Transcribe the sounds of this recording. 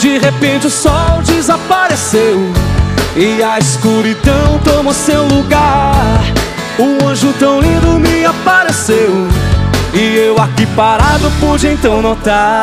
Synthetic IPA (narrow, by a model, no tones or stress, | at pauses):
d͡ʒɪɦepẽt͡ʃɪʊsɔwd͡ʒɪzapaɾesew | ɪaiskuɾid̪ɐ̃w̃t̪õmʊsewluɡaɾ | ʊɐ̃ʒʊt̪ɐ̃w̃lĩd̪ʊmiapaɾesew | ɪewakipaɾad̪ʊpud͡ʒɪẽt̪ɐ̃w̃not̪a